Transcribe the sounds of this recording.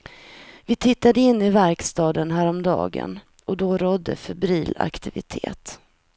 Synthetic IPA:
vɪt̪ʰɪt̪ːad̪əɪnːɪvæɾkst̪ɑːd̪ənɦæːɾɔmd̪ɑ̰ːɡə̰n | ɔd̪ɔɾɔd̪ːə̰fɛbɾiːla̰kt̪ɪvɪt̪ʰḛːt̪

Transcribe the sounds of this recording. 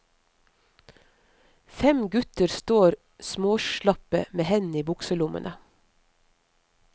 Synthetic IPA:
fɛmɡʉt̪əɾst̪oːɾ | smoːʃlɑpə̰meːhɛn̩iːbʊksəlʊmʔə̰nʔə

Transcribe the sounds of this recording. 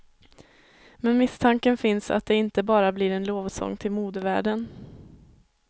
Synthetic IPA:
mɛnmɪst̪ʰaŋkənfɪnsa̰t̪̚d̪ɛɪnt̪əbɑːɾablɪɾɛnloːvsɔ̰ŋːt̪ʰɪlmuːd̪əvæ̰ːɖən

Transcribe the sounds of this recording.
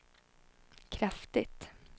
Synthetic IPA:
kʰɾaft̪ɪt̪

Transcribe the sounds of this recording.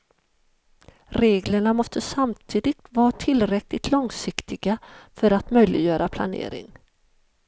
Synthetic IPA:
ɾeːɡləɳamɔst̪əsamt̪ʰiːd̪ɪɡ̚t̪vɑːɾat̪ʰɪlɾɛklɪt̪ʰlɔŋsɪkt̪ɪɡafœɾat̪mœjlɪɡjœːɾapʰla̰nḛːɾɪ̰ŋ

